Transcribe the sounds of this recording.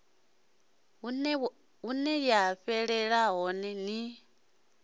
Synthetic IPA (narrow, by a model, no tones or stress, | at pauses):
unɛɺjaɸɛɺɛɺaɦɔnɛni